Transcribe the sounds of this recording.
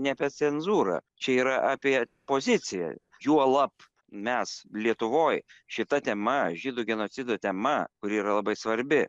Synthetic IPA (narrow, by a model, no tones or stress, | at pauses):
nʲɛpʲɛt͡s̪ʲɛnzuːɾɑ̰t͡ʃʲɛiːɾɐʔaːpʲiɛpoːzʲɪt̪t͡s̪ʲɪjɛ̰ | juɔlˠɐp | mʲɛslʲiɛt̪ʊʋoːjʃʲɪt̪ɐt̪ʲɛmɐʒʲid̪ʊɡʲɛnoːt͡s̪ʲɪd̪oːt̪ʲɛmɐkʊɾʲɪiːɾɐlˠɐbɐɪsʋɐɾʲbʲɪ